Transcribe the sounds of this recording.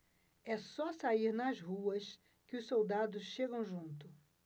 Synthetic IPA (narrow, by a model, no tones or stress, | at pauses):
ɛsɔsaiɾnɐzhuɐs | kɪʊssowd̪ad̪ʊsʃeɡɐ̃w̃ʒũnt̪ʊ